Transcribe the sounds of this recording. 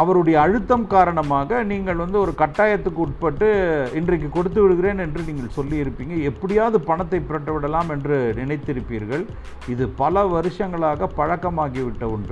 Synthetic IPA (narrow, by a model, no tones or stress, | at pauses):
ɐʋɐɾɯɽɐjɐːɻɯt̪ːɐmkaːɾɐɳɐmaːɣɐniːŋɡɐɭʋɐnd̪ɯɔɾɯkɐʈːaːjɐt̪ːɯkːɯʊʈ̚pɐʈːɯɪndrɐk̬ːɯkɔɽɯt̪̬ːɯʋɪɽɯɣɪɾeːnɛndrɯniːŋɡɐɭsɔlːiɪɾɯpːiːŋɡɐɛpːɐɽɪjaːðɯpɐɳɐt̪ːɐɪpːɪɾɐʈːɐʋɪɽɐlːaːmɛndrɯnɪnɐɪt̪ːɪɾɯpːiːɾɣɐɭ | ɪðɯpɐlɐʋɐɾɯʂɐŋɡɐɭaːɣɐpɐɻɐkːɐmaːɣiʋɪʈːɐʊɳɖɯ